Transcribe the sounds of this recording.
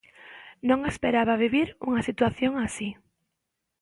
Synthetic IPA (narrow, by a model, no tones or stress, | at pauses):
nõŋespeɾaβaβ̞iβiɾuŋasit̪waθjoŋasi